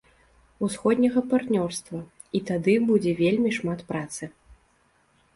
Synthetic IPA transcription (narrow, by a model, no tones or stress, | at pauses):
usxɔd̪ʲnʲɐɣɐpart̪nʲɔrst̪vɐ | it̪ad̪ɨbud͡zʲɛvʲelʲmʲiʂmat̪pɾat̪sɨ